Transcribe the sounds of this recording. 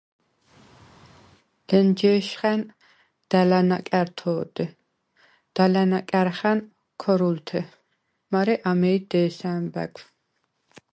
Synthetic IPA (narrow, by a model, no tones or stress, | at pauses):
lənd͡ʒɛʃχɛn | d̪̥ælana̰kʼɛɾt̪ʰɔːd̪̥ɛ | d̪̥alanakʼɛɾχæn | kʰɔɾult̪ʰɛ | maɾɛʔamɛjd̪ɛːsænbæ̰kʷʰ